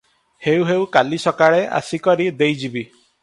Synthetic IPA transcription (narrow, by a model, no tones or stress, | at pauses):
hewɦewkalisɔkaɭeʔa̰sikɔɾid̪ejd͡ʒibi